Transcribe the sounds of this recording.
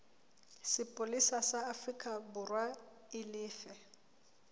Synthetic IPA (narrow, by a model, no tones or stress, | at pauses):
sɪpʼʊlisasaːfrikʼabʊrwa | ɪlɪːfɛ